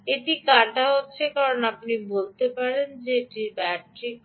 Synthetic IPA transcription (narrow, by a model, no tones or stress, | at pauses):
eʈikaʈaɦotːɕʰekaɾonapnibolt̪epaɾend͡ʑeeʈibɛʈɾi